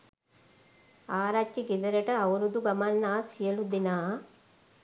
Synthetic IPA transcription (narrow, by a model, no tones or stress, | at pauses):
aːɾat͡ʃːiɡid̪ɐɾɐʈɐɐwɾud̪uɡɐmɐnːaːsijɐlud̪inaː